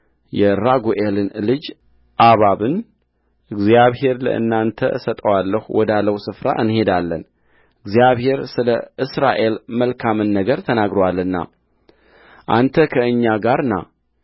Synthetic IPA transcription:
jɛɾaɡoʔelɨnlɨd͡ʒ | ʔaβaβɨn | ʔɨɡzjaβhe̞ɾlə̰ʔɨ̰nːant̪ʰəɨsət̪ʼəwalːəhuwɔd̪alːəwusɨfɾa̰ʔɨnhe̞d̪alːən | ɨɡzijaβhe̞ɾsɨləʔɨsɾa̰ʔe̞lməlkʰamɨnːəɡəɾt̪ʰənaɡɾəwalːɨnːa̰ | ʔant̪ʰəkʰəɨɲːaɡaɾɨnːa̰

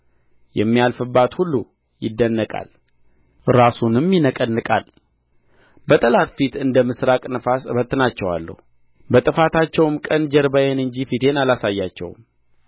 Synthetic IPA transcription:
jɛmːijalfɨbːat̪hulːu | jɪd̪ːənːəkʼa̰l | ɾasunɨmjɪnəkʼənːɨkʼa̰l | bət̪ʼəlat̪fit̪ɨnd̪əmɨsɾakʼnəfasbət̪ːɨnat͡ʃːɛwa̰lːə̰hu | bət̪ʼɨfat̪ʰat͡ʃːɛwmkʼənd͡ʒɛɾbajenɨɲd͡ʒifit̪ʰe̞nalasajːat͡ʃːɛ̰wm

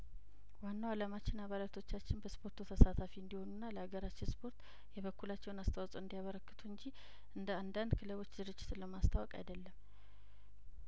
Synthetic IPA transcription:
wanːawalamat͡ʃːɪnaβalat̪ʰo̞t͡ʃːat͡ʃːɪnbəspʰo̞ɾt̪ʰut̪ʰəsat̪ʰafiɨnd̪iho̞nunːaləhaɡəɾat͡ʃːɪnspʰo̞ɾt̪ | jɛβəkːulat͡ʃːɛwnast̪ʰəwasʼuɨnd̪ijaβəɾəkːɨt̪ʰuɨɲd͡ʒi | ʔɨnd̪əand̪and̪kʰɨləβo̞t͡ʃːzɨɾɨd͡ʒːɪt̪ləmast̪ʰawɔkʼa̰jd̪əlːəmː

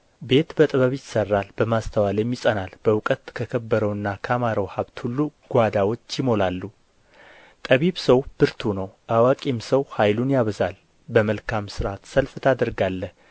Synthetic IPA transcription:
be̞t̪bət̪ʼɨβəβjɪsərːalbəmast̪ʰəwaljɛmːjisʼənalb̥əwʊkʼət̪kʰəkʰəbːəɾəwɨnːakʰamaɾəwhaβt̪hulːuɡ̥ʷad̪awo̞t͡ʃːjɪmo̞lalːu | t̪ʼəβiβsəwb̥ɨɾt̪ʰunəwʔawakʼimsəwhajlunjaβəzal | bəməlkʰamsɨɾat̪səlft̪ʰad̪əɾɡalːəh

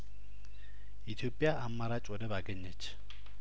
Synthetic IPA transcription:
it̪ʰiopʼijaʔamːaɾat͡ʃʼɔdɛbaɡɛɲːɛt͡ʃʰʼɪ̥

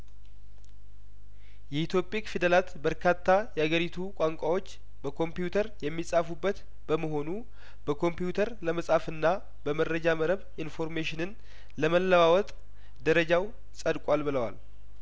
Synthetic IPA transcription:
jɛhit̪ʰjopʼikfid̪əlat̪bəɾkʰat̪ʰːajɛaɡəɾit̪ʰukʼaŋkʷʼawo̞t͡ʃː | bəkʰompijut̪ʰəɾjɛmːisʼafubːət̪ | b̥əməɦo̞nu | b̥əkʰo̞mpjut̪ʰəɾləməsʼafɨnːa | bəmədɾəd͡ʒaməɾəβ | info̞ɾmeʃɪnɨn | ləməlːəwawɔt̪ʼ | d̪əɾəd͡ʒaw | sʼəd̪kʷʼalbɨləwa̰l

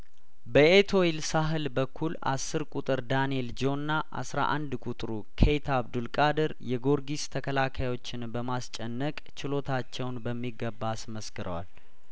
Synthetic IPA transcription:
bəʔet̪ʰo̞ilsaɦɨlbəkʰːula̰sːɨɾkʷʼut̪ʼɨɾd̪anield͡ʒo̞nːaʔa̰sɾa̰ʔand̪kʼut̪ʼɾukʰejt̪ʰaβd̪ulkʼad̪əɾjɛɡo̞ɾɡist̪ʰəkʰəlakʰajwo̞t͡ʃːɪnbəmast͡ʃʼɛnːəkʼt͡ʃɪlo̞t̪ʰat͡ʃːɛwnbəmːiɡːəbːasməskɨɾə̰wal

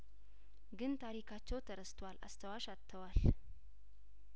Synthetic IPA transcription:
ɡɨnt̪ʰaɾikʰat͡ʃːɛwt̪ʰəɾəst̪ʰwala̰st̪ʰəwaʃat̪ʰːəwal

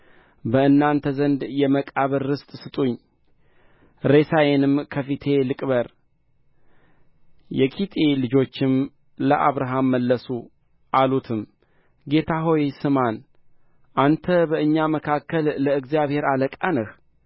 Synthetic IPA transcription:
bəɨnːant̪ʰəzənd̪jɛməkʼaβəɾːɨst̪ʼsɨt̪ʼuɲː | ɾe̞sajenɨmkʰəfit̪ʰe̞lɨkʼbəɾ | jɛkʰit̪ʼelɨd͡ʒo̞t͡ʃːɪm | ləʔaβɾaɦamːəlːəsu | ʔalut̪ʰɨm | ɡe̞t̪ʰaɦo̞jsɨman | ʔant̪ʰəbəɨɲːaməkʰakʰːəlːəɨɡzijaβhe̞ɾaləkʼanəh

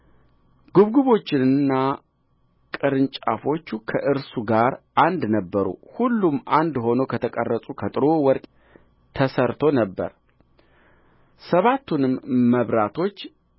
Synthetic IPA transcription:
ɡ̥uβɡuβo̞t͡ʃːɪnɨnːa | kʼɨɾɨnt͡ʃʼa̰fo̞t͡ʃːukʰəʔɨɾsuɡaɾʔand̪nəbːəɾṵhulːumːʔand̪ho̞nokʰət̪ʰəkʼə̰rːəsʼukʰət̪ʼɨɾo̞wɔɾkʼ | t̪ʰːəsəɾt̪ʰo̞nəbːə̰ɾ | səβat̪ʰːunɨmːəβɾat̪ʰo̞t͡ʃː

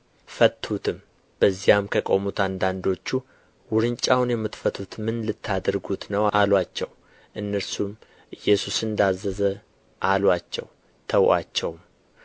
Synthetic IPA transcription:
fət̪ʰːut̪ʰɨm | b̥əzːijamkʰəkʼo̞mut̪and̪and̪o̞t͡ʃːu | wʊɾɨnt͡ʃʼːawnjɛmːɨt̪fət̪ʰut̪mɨnlɨt̪ʰːad̪əɾɡut̪nəwalwat͡ʃːɛw | ʔɨnːəɾsum | ʔɨjːɛsusɨnd̪azːəzə | ʔalwat͡ʃːɛ̰w | t̪ʰəwʔat͡ʃːɛwm

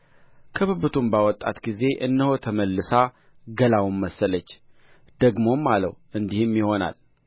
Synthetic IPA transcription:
kʰɨβɨβɨt̪ʰumbawɔt̪ʼːa̰t̪ɡize̞ʔɨ̰nːəho̞t̪ʰəməlːɨsa | ɡəlawmːəsːələt͡ʃː | d̪̥əɡmo̞mːalə̰w | ɨnd̪ihɨmjiho̞na̰l

